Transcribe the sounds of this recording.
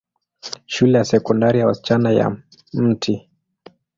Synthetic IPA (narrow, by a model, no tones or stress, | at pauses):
ʃulɛjasɛkɔndaɾijawasi̥t͡ʃanaja̰ | m̩tʰi